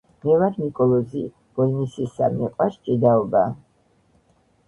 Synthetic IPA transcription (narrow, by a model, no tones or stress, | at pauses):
mɛvaɾnikʼɔlˠɔzḭ | b̥ɔlnisisamɛqʼwaʃt͡ʃʼid̪aɔba